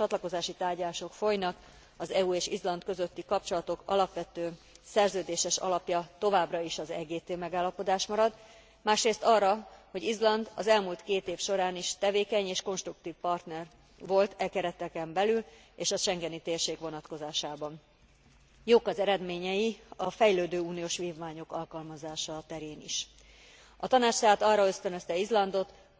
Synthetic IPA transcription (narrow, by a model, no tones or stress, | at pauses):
ɒt̪lɒko̞zaːʃit̪aːrɟlaːʃo̞kfo̞jnɒk | ɒzɛueːʃizlɒnt̪køzøt̪ːikɒp̚t͡ʃo̞lɒt̪o̞kɒ̰lɒpʋɛt̪øː | sɛrzøːd̪eːʃɛʃɒ̰lɒpjɒt̪o̞vaːbrɒiʃɒzɛ̰ɡeːt̪eːmɛɡaːlːɒpo̞d̪aːʃmɒɾɒd̪ | maːʃreːst̪ɒrːɒho̞ɟizlɒnd̪ɒzɛlmuːlt̪keːt̪eːfʃo̞ɾaːniʃt̪ɛveːkɛɲeːʃko̞nʃt̪ruk̚t̪iːfpɒrt̪nɛr | ʋo̞lt̪ɛkɛɾɛt̪ɛkɛmbɛlyl | eːʃɒʃɛŋɡɛnit̪eːrʃeːkʋo̞nɒt̪ko̞zaːʃaːbɒn | joːkɒzɛɾɛd̪meːɲɛjiɒfɛjløːd̪øːuːnijoːʃʋiːvmaːɲo̞kɒlkɒlmɒzaːʃɒt̪ɛɾeːnḭʃ | ɒt̪ɒnaːt͡ʃsaːt̪ɒrːɒø̞st̪ønø̞st̪ɛizlɒnd̪o̞t̪